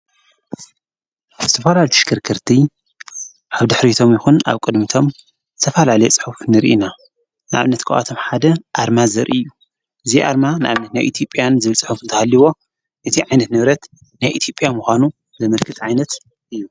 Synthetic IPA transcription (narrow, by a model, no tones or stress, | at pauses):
zɨt̪ʰɐfalalt̪ʰi̥ʃkʰɨɾkʰɨɾt̪ʰi | ʔaβd̪ɨħɾit̪ʰo̞mjɪxuna̰βkʼɨd̪mit̪ʰo̞m | zɨt̪ʰɐfalalɐjet͡sʼɨ̥ħufnɨɾʔina | nɨʔa̰βnɐt̪kʰɨʔa̰t̪ʰo̞mħad̪ɐʔaɾmazɐɾʔḭjːu | ʔɨziʔaɾmanɨʔa̰βnɐt̪najʔḭt̪ʰjo̞pʼjanzɨβɨlt͡sʼɨħufnt̪ʰɐhalːiwo̞ | ʔɨt̪ʰiʕajnɐt̪nɨβɾɐt̪ | najʔit̪ʰjo̞pʼjamuxʷanu | zɐmɐlkʰɨt̪ʼʕajnɐt̪ | ʔɨjːu